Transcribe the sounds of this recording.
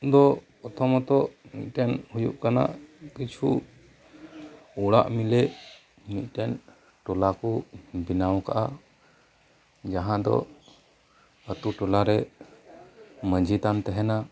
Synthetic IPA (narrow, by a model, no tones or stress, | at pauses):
d̪ɔ | ɔt̪ʰɔmɔt̪ɔʔnḭt̪̚ˀʈɛnhujṵʔkana̰ʔkit͡ʃʰu | uɽa̰ʔmilɛ | mit̪̚ˀʈɛn | ʈɔlakɔbinawka̰ʔa | d͡ʒaɦãd̪ɔ̰ | ət̪uʈɔlaɾɛ | məd͡ʒʱit̪ant̪ɛɦɛna